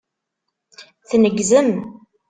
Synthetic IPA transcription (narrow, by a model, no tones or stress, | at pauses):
θnəɡzəm